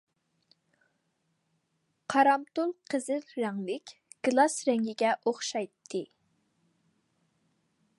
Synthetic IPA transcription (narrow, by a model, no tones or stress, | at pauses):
qʰɑɾɑmt̪ulˠqʰəzɨlɾæŋlɪkʲ | ɡ̥lˠɑsɾɛŋɡʲiɡʲɛʔoχʃɑjt̪ʰːɨ